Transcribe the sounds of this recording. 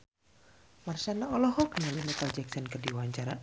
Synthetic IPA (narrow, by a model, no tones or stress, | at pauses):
marsanaɔlɔɦɔknalinət̪ald͡ʒɛksɔnkərdiwaɲt͡ʃaɾa